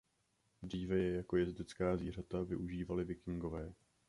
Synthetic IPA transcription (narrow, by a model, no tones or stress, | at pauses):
d̪r̝iːvɛjɛjako̞jɛzd̪ɪt͡skaːzviːr̝at̪avɪ̰ʔuʒiːvalɪvɪkɪŋɡo̞vɛː